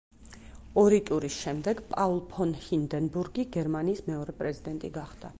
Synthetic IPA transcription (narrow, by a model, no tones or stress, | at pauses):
ɔɾit̪ʼuɾisʃɛmd̪ɛɡpʼaulˠpʰɔnhind̪ɛnbuɾɡiɡɛɾmaniːsmɛɔɾɛpʼɾɛzid̪ɛnt̪ʼiɡaχd̪̥a̰